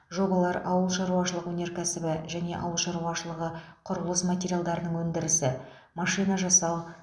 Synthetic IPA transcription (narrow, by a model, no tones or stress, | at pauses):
ʒo̞bɑlˠɑɾɑwəlˠʃɑɾuwɑʃəlˠəqwɵneɾkʲʰæsɪbɪʒæne̞ʔɑ̰wəlˠʃɑɾuɑʃəlˠəʁə | qʰʊɾʊlˠəsmat̪ʲeɾʲijalˠd̪ɑɾənəɴwɵnd̪ɪɾɪsɪ | mɑʃijnɑʒɑsɑw